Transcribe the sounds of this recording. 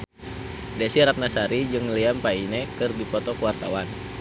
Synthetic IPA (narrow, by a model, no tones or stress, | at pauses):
dɛsiɾat̪̚nasaɾid͡ʒɨŋliampainɛkɨrdipɔt̪ɔkuwart̪a̰wan